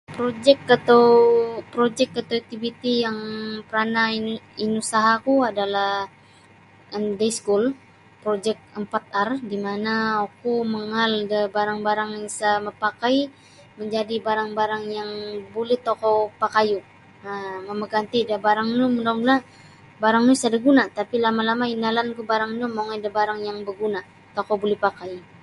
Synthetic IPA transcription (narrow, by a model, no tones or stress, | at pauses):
pɾod͡ʒɛkːat̪awpɾod͡ʒɛkːat̪aw̚t̪ibit̪ijaŋpəɾanainusaɦakuadalah | əndeskul | pɾod͡ʒɛk̚əmpat̪̚ardimanaokuməŋaldəbaɾaŋbaɾaŋjaŋsaməpakaj | məɲd͡ʒadibaɾaŋbaɾaŋjaŋbolɛht̪okɔpakaju | əməməɡant̪idəbaɾaŋnumənaŋɡuna | baɾaŋnusadəɡunat̪apilamalamainalankubaɾaŋnumoŋajdəbaɾaŋjaŋbəɡuna | t̪okɔbulɛhpakaj